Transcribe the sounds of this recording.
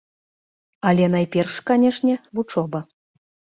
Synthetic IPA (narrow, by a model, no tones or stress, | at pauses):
alʲɛnajpʲɛrʂkanʲɛʂnʲɛvut͡ʂɔbɐ